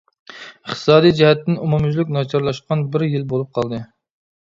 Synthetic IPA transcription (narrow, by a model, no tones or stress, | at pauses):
əχt̪ʰɨ̥sɑːd̪ijd͡ʒɛɦɛt̪ʰːɪnumumʒlɪk̚ʲnɑt͡ʃʰɑɾlˠɑʃqʰɑnbɪɾjilbolˠup̚qʰɑlˠd̪ɨ